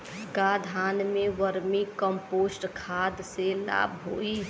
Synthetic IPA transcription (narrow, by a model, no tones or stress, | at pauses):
kad̪ʱanmeʋəɾmikəmposʈkʰad̪sela̰bʱɦoi